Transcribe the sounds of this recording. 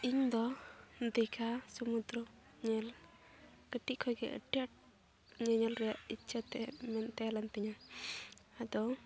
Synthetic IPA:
iɲd̪ɔd̪ɛkʰasumud̪ɾɔ | ɲɛl | kəʈiʔkʰɔjɡɛ̰ʔə̰ʈijaʈ̚ | ɲɛɲɛlɾɛjaʔitt͡ʃʰat̪ɛmɛnt̪ɛlɛnpɛɲa | ad̪ɔ

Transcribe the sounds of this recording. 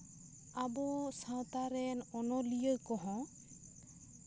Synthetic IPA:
abɔsãw̃t̪aɾɛnɔnɔlijəjkɔɦɔ̃

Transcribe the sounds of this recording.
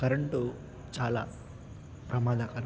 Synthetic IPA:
kɐɾɐɳʈu | t͡ʃaːla̰ː | pɾɐmaːd̪ʱakɐɾ

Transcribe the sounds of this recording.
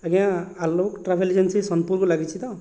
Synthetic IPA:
aɡãalokʈrabʰʱeld͡zensẽsʌnpurkolaɡit͡sʰit̪ʌ

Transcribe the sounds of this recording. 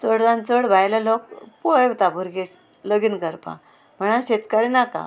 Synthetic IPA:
t͡səɽd͡zãnt͡səɽbʱajlalok̚pojwt̪abʱuɾɡes | ləɡinkəɾpa̰ | m̤əɽ̃aɕet̪kaɾinaka̰

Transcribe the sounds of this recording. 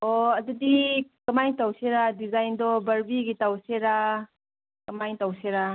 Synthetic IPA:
ɔɐdudikɐmajtawseɾadizajndɔbɐɾbiɡitawseɾa | kɐmajtawseɾa

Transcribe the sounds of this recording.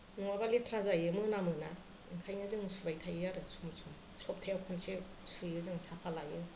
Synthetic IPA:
nuŋabaletʰɾazajɯmɯnamɯna | iŋkʰajnɯzɯŋsubajtʰajɯaɾɯsumsʰum | sɔp̚tʰajawkʰɔnse | sɯjɯzɯŋsapʰalajɯ

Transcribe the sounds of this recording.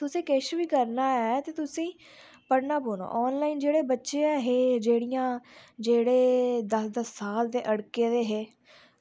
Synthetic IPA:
t̪ʊsẽːkeʃʋiːkəɾnaːɛːt̪eːt̪ʊsĩː | pəɽnaːpoːno̰ːʔɔːnlaːiːnd͡ʒeːɽeːbətːʃeːɛɦeːd͡ʒeːɽijãːd͡ʒeːɽeːd̪əsd̪əsːaːld̪eːʔəɽkeːd̪eːɦeː

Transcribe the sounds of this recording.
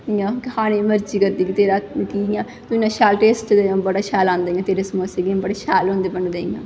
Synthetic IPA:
jãːkhaːñeːməɾd͡ʒiːkəɾd̪iːkit̪eːɾaːkijãː | t̪ʊɪnːãːʃʰaːlʈeːsʈd̪ẽbəɽaːʃʰaːlãːnd̪eːiãːt̪eːɾeːsmoːseːɡĩːbəɽeːʃʰaːlɦõːnd̪eːbəɳd̪eːiã̰ː

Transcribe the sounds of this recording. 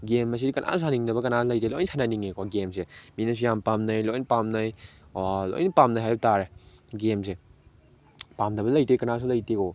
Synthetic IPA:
ɡemːɐs̬ikɐnʔa̰ssaniŋdɐbɐkɐnaslɐjtelɔjnsʰananiŋekɔɡemseminɐs̬ʰujampamnɐjlɔjnpamnɐjalɔ̰jnpamnajɦajtaɾeɡemse | pamdɐbɐlɐjtekɐnas̬ʰulɐjteko

